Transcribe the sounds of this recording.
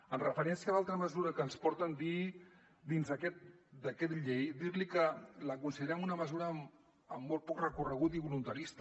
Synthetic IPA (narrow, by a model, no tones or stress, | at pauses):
ənrəfəɾɛnsiəlalˠt̪ɾəməzuɾəkəːnspɔɾt̪ənd̪i | d̪inzðəkɛt̪̚d̪əkɛt̪ʎejd̪iɾlikələkunsiðeɾɛmunəməzuɾəm | əmːɔlˠt̪pɔkrəkurəɣ̞ut̪̬iβulunt̪əɾist̪